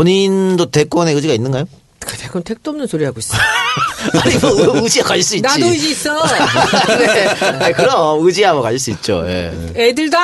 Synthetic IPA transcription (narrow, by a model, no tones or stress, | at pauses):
oɲindote̞k͈wʌne̞ɯd͡ʑiɡainːɯnɡajo | katʰekʌntʰek̚t͈oʌmnɯnsoɾiɦaɡois͈ | aɲibʌɯɯd͡ʑiɡakaɭs͈uinat͡ɕidoid͡ʑiis͈ʌ | neaikɯɾʌʌɯd͡ʑiabʌkaɕiɭs͈uit̚t͡ɕ͈o̰je̞̰ | edɯɭda